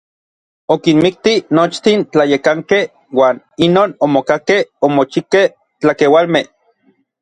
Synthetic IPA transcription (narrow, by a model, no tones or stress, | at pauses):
okinmik̚t̪inot͡ʃt̪int͡ɬajekaŋkeh | waːn | inoːnomokakehomot͡ʃikeh | t͡ɬakewalmeh